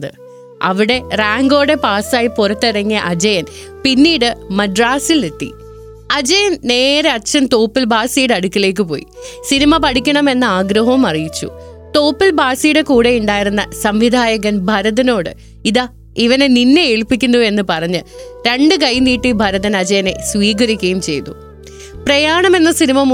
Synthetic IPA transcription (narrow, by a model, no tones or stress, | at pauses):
ɨ | ɐʋiɽe̞raːŋɡo̞ːɽe̞paːsaːjipurɐt̪ːirɐŋːijɐʔɐd͡ʑɐjɐn | pinːiːɽɨmɐɖraːsilet̪ːḭ | ɐd͡ʑɐjɐnne̞ːɾeɐt͡ɕːɐnt̪oːpːilbʱaːsijɽɐɽukʲːile̞ːk̬ːɨpo̞ːjḭsinimɐpɐɽʰikʲːɐɳɐme̞nːɐaːɡɾɐɦɐʋumɐrijit͡ɕːṵ | t̪o̞ːpːilbaːsijɽekuːɽe̞juɳɖaːjiɾunːɐsɐmʋid̪ʱaːjɐɣɐnbʱɐɾɐðɐno̞ːɽɨ̰ | iðɐ | iʋɐneninːeeɭpikʲːunːue̞nːɨpɐrɐɲːɨɾe̞ɳɖɨkɐjniːʈːibʱɐɾɐðɐnɐd͡ʑɐjɐne̞sʋiːɡɐɾikʲːɐjumt͡ɕe̞̰jt̪ṵ | prɐjaːɳɐme̞nːɐsinimɐm